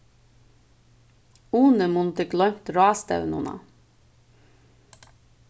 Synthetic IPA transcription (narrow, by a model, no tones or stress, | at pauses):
uːnəmʊnt̪ɪklɔʏt̪ɾɑːst̪ɑ̰ʉnʊnɑ̰